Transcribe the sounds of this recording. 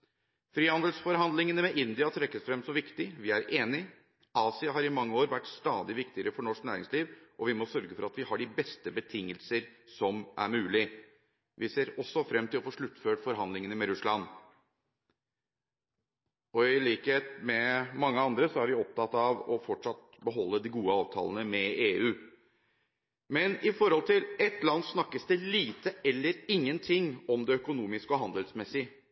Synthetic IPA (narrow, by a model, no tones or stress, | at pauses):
fɾiːhɑnd̪əlsfɔɾɦɑnd̪lɪŋənəmɛʔɪnd̪ɪɑt̪ʰɾɛkːəsfɾɛmsɔmʋɪkt̪ɪʋɪæɾeːnɪ | ɑːsɪɑɦɑɾɪmɑŋːəoːɾʋæʈːst̪ɑːd̪ɪʋɪkt̪ɪəɾəfɔɳɔʂknæːɾɪ̰ŋsliːʋʔɔʋɪmɔsœɾɡəfɔɾɑt̪ʋɪhɑɖɪbɛst̪əbət̪ʰɪŋːəlsəɾsɔmʔæ̰ɾmʉːlɪ | ʋʔɪseːɾɔsːɔfɾɛmːt̪ʰɪlɔfoːʂɭʉt̪ːføːʈfɔɾɦɑnd̪lɪŋənəmɛɾʉslɑn | ɔɪliːkheːt̪mɛmɑŋːəɑnd̪ɾəsɔæɾʋɪɔp̚t̪ʰɑt̪ːɑʋɔfɔʈʂɑt̪̚ | bəɦɔlːəd̪ɪɡuːəɑːʋt̪ʰɑ̰ːlənəmɛeːʉː | mɛnɪfɔɾhɔlt̪ʰɪlɛt̪lɑnːsnɑkːəsd̪əliːt̪əɛlːəɾɪŋːənt̪ʰɪŋːɔmd̪ɛœkʊnuːmɪskɔɦɑnd̪əlsmɛsɪ